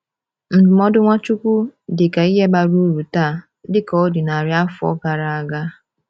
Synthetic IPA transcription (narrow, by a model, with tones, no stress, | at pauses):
m̩˨bʊ˨mɔ˦dʊ˦ŋʷa˦t͡ʃu˦kʷu˦dɪ˨ka˨i˦ɦe˦ba˨ɾu˦ɾu˨ta˦˨ | dɪ˦kɔ˦dɪ˨na˨ɾja˦fʊ˨˦ɔ̰˦ɡa˨ɾa˨a˨ɡa˦